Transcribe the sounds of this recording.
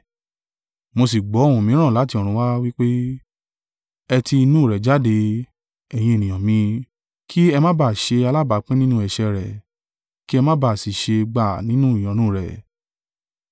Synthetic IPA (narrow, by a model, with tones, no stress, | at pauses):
mo˧s̬i˨ɡ͡bɔ˨˦õ˦˨ũ˨mĩ˨˦ɾ̃ã˦˨la˨˦ti˧ɔ˨ɾ̃ũ˧˦wa˦wi˦k͡pe˦ | ɛ˧ti˧i˧nũ˦˨ɾɛ˨d͡ʒa˨˦de˧ | ɛ˨j̃ĩ˧e˨nĩ˨j̃ɔ̃˨mĩ˧ | kʰi˦ɛ˧mã˦ba˦˨ʃe˧a˧la˦ba˨˦k͡pɛ̃˦nĩ˦nũ˦ɛ˨ʃɛ˧ɾɛ˨ | ki˦ɛ˧mã˦ba˦˨si˨ʃe˧ɡ͡ba˦˨nĩ˦nũ˦i˨j̃ɔ̃˨˦nũ˦˨ɾɛ˨